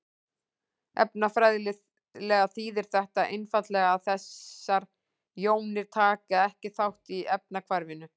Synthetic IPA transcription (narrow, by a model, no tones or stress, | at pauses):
ɛ̰pnafɾajðlɪ | lɛɣaθiːðɪɾ̥θɛht̪aʔejnfat̪lɛɣaːðθɛsːaɾ | joːwnɪɾ̥t̪ʰaːkaɛhcɪθawht̪iɛp̚nakʰvaɾvɪnʏ